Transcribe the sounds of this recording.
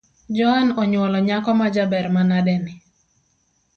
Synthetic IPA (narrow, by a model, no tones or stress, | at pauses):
d͡ʒɔanɔɲwɔlɔɲakɔmad͡ʒabɛɾmanadɛnɪ